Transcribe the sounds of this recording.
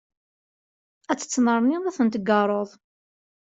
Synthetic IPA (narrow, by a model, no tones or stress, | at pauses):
æt͡sːə̥t͡sːməɾˤniðæθənt̪əɡɑrˤoðˤ